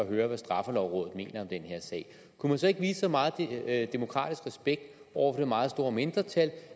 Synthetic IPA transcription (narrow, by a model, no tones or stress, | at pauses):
ɒɦøːɐʋæsd̥ʁɑ̈fəlɒʊ̰ʁɔ̽ːðð̩ˠme̝̰ːnɐɒ̽md̥enhe̝ɐ̰sɛ̰ɪ̰ | kʰumænsɒ̽e̝ɡ̥ʋḭːssɒ̽mɑ̈ːð̩ˠd̥e̝mo̝kʰʁɑ̰̈ːd̥isɡ̥ʁɛsb̥eɡ̥̚d̥ | ɒʊ̰ɐfɒ̽d̥e̝mɑ̈ːð̞̩ˠsd̥o̝ːɐme̝nd̥ʁɐt͡sʰæl